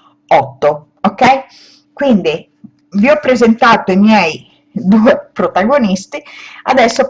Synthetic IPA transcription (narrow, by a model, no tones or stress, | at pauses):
ɔt̪ːo | okːɛj | kwind̪i | viɔpːɾezent̪aːt̪oimjɛj | d̪uːɛpɾot̪aɡonist̪iad̪ɛsːo